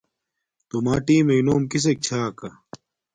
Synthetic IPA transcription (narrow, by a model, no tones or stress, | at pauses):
t̪omaːʈiːmenoːmkis̬ek̚t͡ɕʰaːkɐ